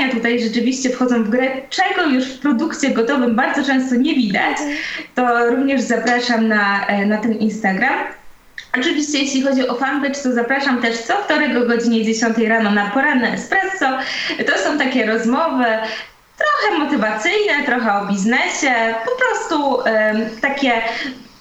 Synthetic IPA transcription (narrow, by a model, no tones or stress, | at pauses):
at̪ut̪ajʐɛt͡ʂɘvʲiɕt͡ɕɛfxɔd̪zɔ̃w̃vɡɾɛt͡ʂɛɡɔjuʂfpɾɔd̪ukt͡ɕɛɡɔt̪ɔvɘmbaɾd̪zɔt͡ʂɛ̃w̃st̪ɔɲɛvʲid̪a̰t͡ɕt̪ɔɾuvɲɛʐzapɾaʂamnanat̪ɛnʔinst̪aɡɾam | ɔt͡ʂɘvʲiɕt͡ɕɛjeɕlʲixɔd͡ʑiʔɔfanb̪ɛt͡ʂt̪ɔzapɾaʂamt̪ɛʂt̪sɔft̪ɔɾɛɡɔɡɔd͡ʑiɲɛd͡ʑeɕɔnt̪ɛjɾanɔnapɔɾanːɛɛspɾɛsːɔt̪ɔsɔ̃w̃t̪akʲɛɾɔzmɔvɘ | t̪ɾɔxɛmɔt̪ɘvat̪sɘjnɛt̪ɾɔxɛɔbʲiznɛɕɛpɔpɾɔst̪u | t̪akʲɛ